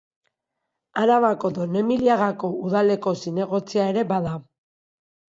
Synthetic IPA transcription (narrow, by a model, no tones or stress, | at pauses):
aɾaβako̞d̪o̞ne̞miliaɣako̞uðale̞ko̞sine̞ɣ̞o̞t͡siae̞ɾe̞baða